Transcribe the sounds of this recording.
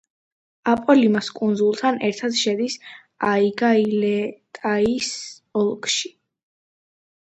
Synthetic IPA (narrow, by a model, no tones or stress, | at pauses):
apʼɔlimaskʼund̪zulˠt̪ʰanɛɾt̪ʰad̪ʃɛd̪is | aiɡailɛt̪ʼais | ɔlˠkʼʃi̥